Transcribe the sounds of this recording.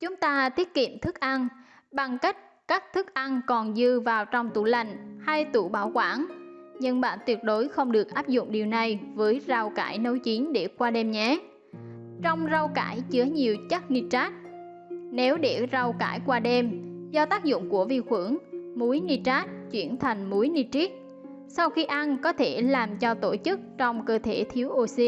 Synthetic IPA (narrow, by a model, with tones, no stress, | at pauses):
t͡ɕʊ˨˦ŋ͡mt̪aː˧t̪i˦˥ət̚kḭ˧˨əmt̪ʰɨ˦˥k̚ʔa˧n | ɓa˨˩ŋka˦˥jk̟̚kaː˦˥k̚t̪ʰɨ˦˥k̚ʔa˧nkɔ˨˩nzɨ˧vaː˨˩wt͡ɕɔ˧wŋ͡mt̪u˧˩la˨˩jŋ̟haː˧jt̪u˧˩ɓaː˧˩wkwaː˧˩nɲə˧nɓa̰ː˧˨nt̪wi˨˩ət̚ɗo˨˦jxə˧wŋ͡mɗɨ˨˩ək̚ʔaː˦˥p̚zʊ̰˧˨ŋ͡mɗi˨˩əwna˨˩jvəː˨˦jza˨˩wka̰ː˧˩jnə˨˦wt͡ɕi˨˦nɗe˧˩kwaː˧ɗɛ˧mɲɛ˨˦ | t͡ɕɔ˧wŋ͡mza˧wka̰ː˧˩jt͡ɕɨ˨˦əɲi˨˩əwt͡ɕə˦˥t̚ni˧t͡ɕaː˦˥t̚ | ne˨˦wɗe˧˩za˧˩wka̰ː˧˩jkwaː˧ɗɛ˧mzɔ˧t̪aː˦˥k̚zʊ̰˧˨ŋ͡mku˧˩əvi˧xwɨ˧˩əŋmu˨˦jni˧t͡ɕaː˦˥t̚t͡ɕwi˧˩ənt̪ʰa˨˩jŋ̟mu˨˦jni˧t͡ɕi˦˥k̚ | sa˧wxi˧ʔa˧nkɔ˨˦t̪ʰe˧˩laː˨˩mt͡ɕɔ˧t̪o˧˩t͡ɕɨ˦˥k̚t͡ɕɔ˧wŋ͡mkəː˧t̪ʰe˧˩t̪ʰi˨˦əwʔo˧˩si˧